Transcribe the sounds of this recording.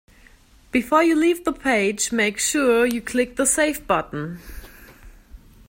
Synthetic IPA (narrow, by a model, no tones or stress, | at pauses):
b̥ɨfɔɹjɨlivðəpʰeɪd͡ʒmeɪkʃʊɹjɨkʰl̥ɪk̚ðəseɪfb̥ʌʔn̩